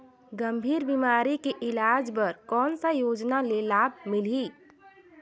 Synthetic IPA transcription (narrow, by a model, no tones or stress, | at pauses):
ɡəmbʱiːɾbiːmaːɾikeʔɪlaːd͡ʒbəɾkɔːnsajoːd͡ʒnalelaːb̚ʱmɪli